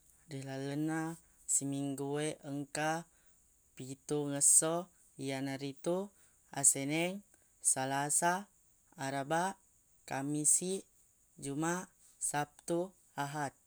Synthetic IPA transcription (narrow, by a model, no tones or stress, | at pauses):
dilaləna | simiŋɡueʔəŋka | pit̪uŋəsɔ | ijanaɾit̪u | a̰senɛŋ | salasaː | ɾaba | kamisi | d͡ʒuma | sap̚t̪u | aɦat̪̚